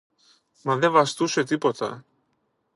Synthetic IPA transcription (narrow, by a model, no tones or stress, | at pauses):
maðɛvast̪uʃet̪ipot̪ʰa̰